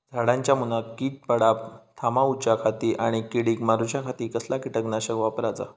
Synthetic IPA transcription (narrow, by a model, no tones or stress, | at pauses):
d͡zʱaɽãɲt͡ɕjamunakiːt̪̚pəɽap̚t̪ʰamaut͡ɕakʰat̪iːʔaɽ̃ikeɽiːkmaɾut͡ɕakʰat̪iːkəslakiʈəknaɕəkʋapɾad͡za̰